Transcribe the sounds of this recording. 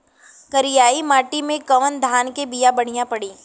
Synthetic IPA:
kɐɾɪjaːimaːʈimẽkɐʋənd̪ʱaːnkebijabɐɽ̤ijãpɐɽiː

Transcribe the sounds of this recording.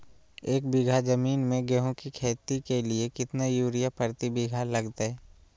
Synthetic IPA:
eːkbɪɡʱad͡ʒəmiːnmẽɡɛɦõkikʰeːt̪ikeliekɪt̪najuːɾijapəɾt̪ibɪɡʱalɐɡt̪ɛː

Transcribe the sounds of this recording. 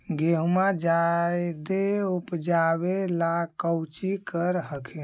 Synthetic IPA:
ɡeɦumad͡ʒajd̪eupd͡ʒaβelakəwt͡ʃikəɾɦəkʰe

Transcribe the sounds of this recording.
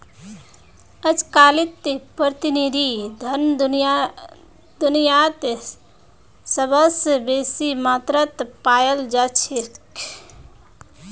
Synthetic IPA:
əd͡ʒkalit̪pɾət̪inid̪ʱid̪ʱənd̪j | d̪unijat̪ | səbəsbesimat̪ɾət̪pajəld͡ʒat͡ʃʰek

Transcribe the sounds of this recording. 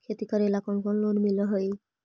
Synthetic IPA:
kʰet̪ikaɾɛlakɔŋkɔnlonmilɔɦɔj

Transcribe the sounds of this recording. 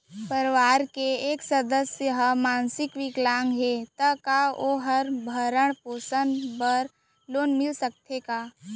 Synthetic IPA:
pəɾʋaːɾkeeːksəd̪əsjəɦmaːnsɪkʋɪɡlaːŋɡɦet̪əkaʔoɦəɾbʱəɾəɳ̃poːsənbəɾ | loːnmɪlsək̚t̪ʰekaː

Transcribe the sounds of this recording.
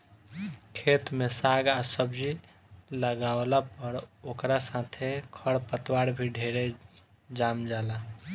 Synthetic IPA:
kʰet̪mesaɡasəbd͡ʒi | ləɡaolapəɾokɾasãt̪ʰekʰəɽpət̪waɽbʱiɖʱeɾe | d͡ʒamd͡ʒaːla

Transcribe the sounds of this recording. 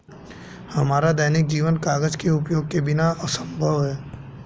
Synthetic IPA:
hɐmaːɾad̪ɛːnɪk̚d͡ʒiːʋənkaːɡəd͡ʒkeʊpjoːɡ̚kebɪnaəsə̃mbʱəʋɦɛː

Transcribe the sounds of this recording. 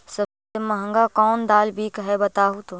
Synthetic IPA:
səb | eməɦə̃ŋɡakɔːnd̪aːlbʱikəɦɛbət̪aːɦut̪õ

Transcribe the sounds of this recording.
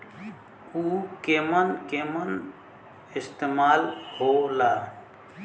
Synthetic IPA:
ukemənkemən | ɪst̪emaːlholaː

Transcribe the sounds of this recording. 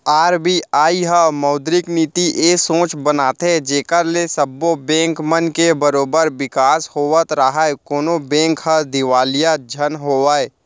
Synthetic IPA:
aːɾbiaːiɦəmɐːd̪ɾɪkniːt̪iʔeːsõːt͡ʃbənaːt̪ed͡ʒeːkəɾlesəbːobɛ̃ːŋkmənkebəɾoːbəɾʋɪkaːshoːʋət̪ɾəɦaekoːnobɛ̃ːŋkɦəd̪ɪʋaːlijad͡ʒʱənɦoːʋaːe

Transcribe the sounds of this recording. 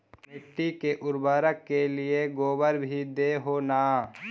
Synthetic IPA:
mɪʈːikeʔʊɾbaːɾəkːelɪeɡoːbəɾbʱid̪eːɦoːnaː

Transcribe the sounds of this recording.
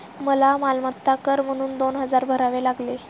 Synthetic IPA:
məlamalmət̪ːakəɾm̤əɽ̃uːnd̪onɦəd͡zaɾbʱəɾaʋelaɡle

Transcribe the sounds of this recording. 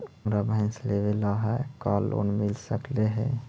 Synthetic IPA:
mɾabɪnslebelaɦɛkalːo̰nmilsəkleɦɛ̰

